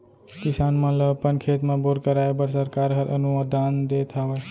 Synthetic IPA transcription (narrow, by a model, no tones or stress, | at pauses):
kisanmə̃ləpənkʰet̪mẽboɾkəɾaebəɾsəɾkaɾɦəɾʔə̰numəd̪ʱand̪et̪ʰaʋə